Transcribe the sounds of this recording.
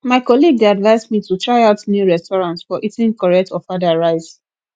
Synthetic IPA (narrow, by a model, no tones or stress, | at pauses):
maɪkɔliɡ̚deadvaɪzmitutʰɹaɪaʊtnjuɹɛstɔɹãntsfɔʔitɪ̃ŋkɔɹɛk̚tʰɔfadaɹaɪz